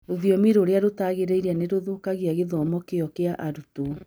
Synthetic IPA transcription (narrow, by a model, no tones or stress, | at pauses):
ɾoðiɔmiɾoɾeaɾotaɣeɾeiɾaneɾoðokaɣeaɣeðɔmɔkeɔkeaʔaɾuto